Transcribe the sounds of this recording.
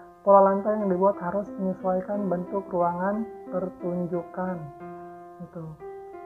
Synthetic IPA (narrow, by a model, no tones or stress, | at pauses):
polalant̪ajaŋdibuat̪haɾʊsməɲiswaikanbənt̪ʊkruaŋanpərt̪uɲd͡ʒukan | ɡit̪u